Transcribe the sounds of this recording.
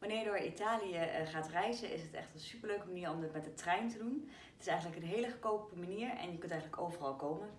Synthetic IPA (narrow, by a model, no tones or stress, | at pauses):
ʋanɪːɹjədʊːɹitaːlijəχaːtrɛjzənʔɪ̰sɦətɛ̰χtənsypəɹløɥkəmaniːɹɔmdɪtmɛtdətrɛjntədun | ətɪ̥sɛjχənləkənɦejləχəkowpəmaniːɹɛ̰njəkɵntɛjχənləkowvərɑlˠkowmən